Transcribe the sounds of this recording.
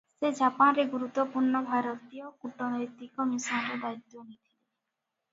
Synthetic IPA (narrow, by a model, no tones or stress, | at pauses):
sed͡ʒapanɾeɡuɾut̪ːɔpuɾɳɔbʱaɾɔt̪ijɔkuʈɔnɔjt̪ikɔmisanɾed̪ait̪ːɔnit̪ʰile